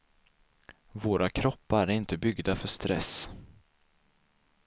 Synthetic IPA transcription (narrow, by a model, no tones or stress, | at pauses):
voːɾʔakʰɾɔpːaæɾɪnt̪əbʏɡd̪afœʂt̪ɾɛs